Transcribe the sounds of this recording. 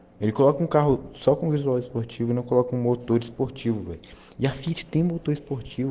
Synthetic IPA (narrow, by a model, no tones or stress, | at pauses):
elɪkolɔkɐũkaɦʊsɔkõvizuawispoɾt͡ʃivʊɪnɐ̃w̃kolɔkɐũmot̪oɾɪspoɾt͡ʃivʊvɛ̰jɪafit͡ʃɪ̥t̪ẽj̃ũmot̪oɾispoɾt͡ʃivʊ